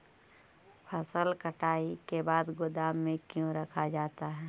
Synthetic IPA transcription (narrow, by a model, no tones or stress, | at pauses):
pʰəsəlkəʈaːikebaːd̪ɡʊd̪aːmːẽkjõɾɐkʰad͡ʒaːt̪aɦɛː